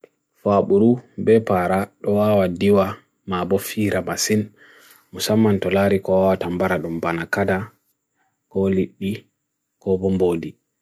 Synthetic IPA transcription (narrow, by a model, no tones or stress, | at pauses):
faɓuɾubɛpaɾaɗɔwaːwadiwa | mabɔfiːɾamasin | musamːantɔlaɾikɔwawatambaɾaɗumbanakada | kɔliɗːi | kɔbɔmboːdi